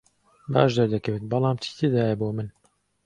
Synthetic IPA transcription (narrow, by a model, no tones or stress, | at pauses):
ba̰ːʒd̪ɐɾd̪ɐkɐwet̪̚bɑlˠɑːmt͡ʃʰi̥t̪ʰed̪aːjɛboːmɨn